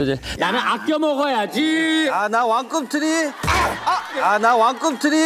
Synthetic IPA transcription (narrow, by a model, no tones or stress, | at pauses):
d͡ʑenanɯnʔak̚k͈jʌmʌɡʌjad͡ʑianawaŋk͈ɯmtʰɯɾi | anawaŋk͈ɯmtʰɯɾi